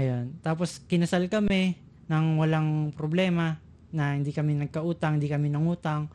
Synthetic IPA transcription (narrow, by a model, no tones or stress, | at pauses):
ʔɐjont̪aːpo̞skɪnɐsalkɐmɛ | nɐŋwɐlaŋpɾoblɛːmɐ | nɐhɪnd̪ikɐmɛnɐɡ̚kɐʔuːt̪ɐŋhɪnd̪ikɐmɪnɐŋuːt̪ɐŋ